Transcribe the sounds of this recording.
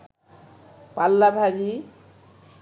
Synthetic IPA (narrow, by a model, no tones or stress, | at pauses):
palːabʱaɾi